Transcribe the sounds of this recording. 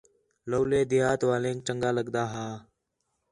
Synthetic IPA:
ləːleːd̪ɪjaːt̪ʋaːlẽːk̚t͡ʃəŋɡaːləɡd̪aːɦaː

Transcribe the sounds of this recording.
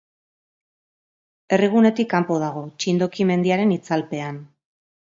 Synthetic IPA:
e̞riɣ̞une̞t̪ikːampo̞ð̞aɣ̞o̞t͡ʃind̪o̞kime̞nd̪iaɾe̞nit͡salpe̞an

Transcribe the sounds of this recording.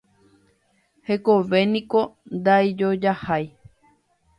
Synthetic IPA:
hekoʋe̞nĩkond̪aid͡ʒod͡ʒahaj

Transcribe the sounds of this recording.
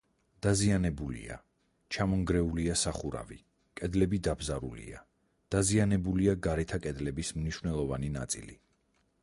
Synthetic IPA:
d̪̥azianɛbulḭa̰ | t͡ʃʰamɔŋɡɾɛuliasaχuɾa̰vḭ | kʼɛd̪lɛbid̪abzaɾṵlḭa | d̪̥azianɛbuliaɡaɾɛt̪ʰakʼɛd̪lɛbismniʃwnɛlˠɔvanina̰t̪sʼḭli

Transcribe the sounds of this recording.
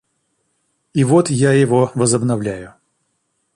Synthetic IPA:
ivot̪jajɪvovəzəbnɐvlʲæjʊ

